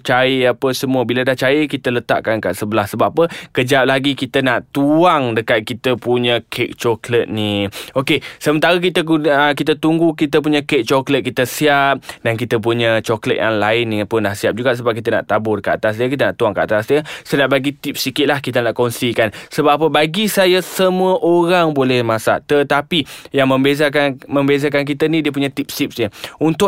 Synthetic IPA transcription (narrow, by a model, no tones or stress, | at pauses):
t͡ʃaiapəsəmuəbiladaht͡ʃajəkit̪ələt̪a̰ʔkankaʔsəbəlahsəbapəkəd͡ʒap̚laɡikit̪ənaʔt̪uaŋdəkat̪̚kit̪əpuɲə̃kʰek̚t͡ʃɔklət̪̚niokesəmənt̪aɾak̬it̪əkunək̬it̪̬ət̪uŋɡukit̪əp̬uɲəkek̚t͡ʃɔklət̪̚kit̪əsiap̚dankit̪əp̬uɲət͡ʃɔklət̪̚jʔa̰ŋlaɪnːipʊnlahsiap̚d͡ʒuɡaʔs̬əbap̚kit̪̬əna̰ʔt̪abʊrkəa̰t̪as̬diəkit̪̬ənaʔt̪uaŋkəʔat̪asdəsənaʔbaɡit̪ip̚sikɪt̪̚lahkit̪ənaʔkonsikansəbaapəbaɡisajasəmũəʔoɾaŋbolɛhmasa̰ʔt̪ət̪apijaŋmə̃mbezakanməmbezakank̬it̪ənĩdiəpuɲat̪ip̚sip̚sɲəunt̪ʊ